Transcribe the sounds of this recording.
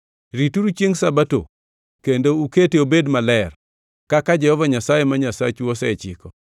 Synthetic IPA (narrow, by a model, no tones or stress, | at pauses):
ɾituɾut͡ʃjeŋsabato̰ | kendouketeobedmalɛr | kakad͡ʒɛhɔvaɲasajemaɲasat͡ʃuwɔsɛt͡ʃɪ̰kɔ